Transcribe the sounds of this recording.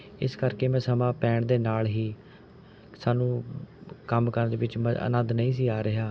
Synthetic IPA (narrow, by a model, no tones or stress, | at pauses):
ɪ̰skəɾkeːmɛ̃ːsəmãːpɛːɳd̪eːnaːlɦiː | saːnũː | kəmkəɾnd̪eːʋɪt͡ʃmə̰nəd̪nəĩːs̬iːaːɾɪɦaː